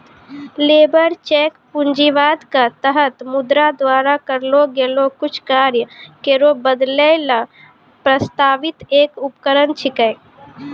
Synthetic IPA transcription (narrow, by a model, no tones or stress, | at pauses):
leːbəɾt͡ʃeːkpʊɲd͡ʒiʋaːd̪kat̪əɦət̪mʊd̪ɾad̪ʋaːɾakəɾloɡeːlokʊt͡ʃʰkaːɾjəkeɾobəd̪lela | pɾəst̪aːʋɪt̪eːkʊpkəɾənt͡ʃʰɪkəː